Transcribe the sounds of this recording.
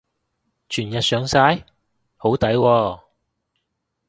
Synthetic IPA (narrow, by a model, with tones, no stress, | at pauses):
t͡ʃʰyː˨˩njɐ˨t̚sœː˨˥ŋsaː˥j | ho˨˥wt̪ɐ˨˥jwɔː˧